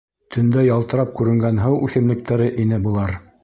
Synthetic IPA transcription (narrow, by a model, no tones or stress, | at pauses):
t̪ʰɵ̆nd̪æjɑlˠt̪ɤ̆ɾɑp̚kʉɾɘ̆ŋɡænɦɤwʉθɘ̆mlɘ̆k̚t̪ʰæɾɘʔinɘbulˠɑɾ